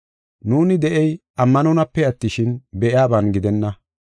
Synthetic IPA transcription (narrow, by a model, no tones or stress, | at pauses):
nuːnɪd̪ɛʔɛj | ɐmːɐnɔnɐpːɛɐt̪ːɪʃɪnbɛʔɪaːbɐnɡɪd̪ɛnːɐ